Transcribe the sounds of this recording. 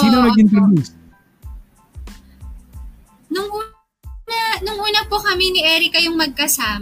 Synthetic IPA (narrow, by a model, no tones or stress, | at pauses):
siːnɐmɐɡɪnk̪ɐɾs | nʊŋʔuː | nɐnʊŋʔuːnɐpokɐminɪʔɛːɾɪkɐjoŋmɐɡ̚kɐsaːm